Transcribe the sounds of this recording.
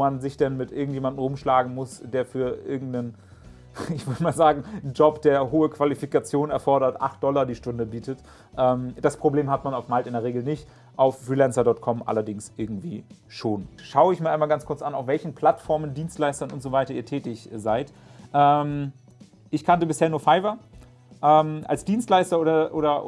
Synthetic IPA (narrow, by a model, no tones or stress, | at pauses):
manzɪçd̥ɛnmɪtʔɪɐɡŋ̩tjeːmandn̩ʁʊmʃlaːɡŋ̩mʊsd̥eːɐfyːɐʔɪɐɡŋ̩tnən | ɪçv̥ɔʏdəmaːlzaːɡŋ̩nd͡ʒɔpd̥eːɐɦoːəkv̥alifikat͡sjoːnɛɐfɔɐɾɐtʔa̰χt̚d̥ɔlɐdiːʃtʊndəbiːtət | ʔɛːmd̥aspʁ̥obleːmhatmanaʊfmaltɪndeːɐʁ̞eːɡl̩nɪçt | ʔaʊfːʁiːlɛnsɐdɔtkʰɔmʔa̰lɐdɪŋsʔɪɐɡŋ̩tv̥iːʃoːnʃaʊəɪçmiːɐaɪnmalɡant͡skʰʊɐt͡sʔanaʊfvɛlçn̩pʰl̥atfɔɐməndiːnstlaɪstɐnʊntz̥ovaɪtɐiːɐtʰɛːtɪçzaɪt | ʔɛːm | ʔɪçkʰantəbɪsheːɐnuːɐfaɪvɐ | ʔɛːmʔa̰lsd̥iːnstlaɪstɐʔoːɾɐʔoːɾɐ